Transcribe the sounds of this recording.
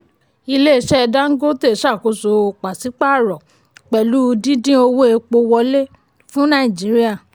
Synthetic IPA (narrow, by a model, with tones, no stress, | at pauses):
i˧le˦i˧˨ʃɛ˦˧da˦ŋ̩˦ɡo˦te˦˨ʃa˦˨ko˨˦so˧o˨˧k͡pa˨si˨˦k͡pa˦˨ɾɔ˨ | k͡pɛ˨lu˦˧dĩ˦dĩ˦o˧wo˦e˧k͡po˧wɔ˧˦le˦ | fũ˦nã˦˨i˨d͡ʒi˨˦ɾi˦a˦˨